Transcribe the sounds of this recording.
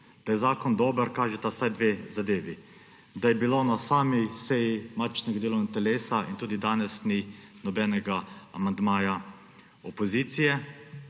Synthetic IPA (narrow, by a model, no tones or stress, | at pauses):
d̪̥ajɛzaːkɔnd̪oːbəɾkaːʒɛt̪asajd̪ʋezad̪eːʋi | d̪ajɛbilonasaːmisɛjimat͡ʃnɛɡad̪eːlɔwnɡat̪ɛleːsaʔint̪uːd̪id̪aːnɛsni | nɔbɛːnɛɡaa̰mand̪maːja | ɔpɔziːt̪sijɛ